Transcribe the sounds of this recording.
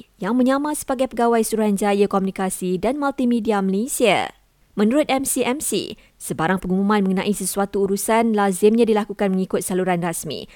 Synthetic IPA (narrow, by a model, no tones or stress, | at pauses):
jaŋmə̃ɲãmãsə̥baɡajpəɡawajsuɾuɦand͡ʒajəkomunikasidanmalt̪imidiaməlesia̰ | mə̃nuɾʊt̪̚ɛmsiʔɛmsḭ | səbaɾaŋpəŋumumãnmə̃ŋənã̰ʔisəsuat̪uːɾusanlazɪmɲãdilakukanməŋikʊt̪̚saluɾanrasmḭ